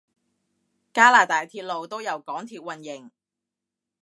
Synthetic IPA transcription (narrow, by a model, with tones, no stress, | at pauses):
kaː˥laː˨t̪aː˨jt̪ʰiː˧t̚lo˨wt̪o˥wjɐ˨˩wkɔː˨˥ŋt̪ʰiː˧t̚wɐ˨˩njɪ˨˩ŋ